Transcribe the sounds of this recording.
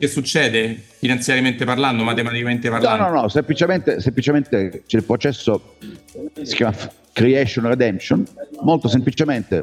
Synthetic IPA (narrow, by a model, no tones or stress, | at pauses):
kesːut͡ʃːɛːd̪efinant̪sjaɾjament̪eparland̪omat̪emat̪ikament̪epaɾlnɔanɔnɔsemplit͡ʃement̪esemplit͡ʃement̪et͡ʃɛlpɾot͡ʃɛsːo | si̥kjaːmaf | kɾieʃonred̪ɛmʃonmolt̪osemplit͡ʃement̪ḛ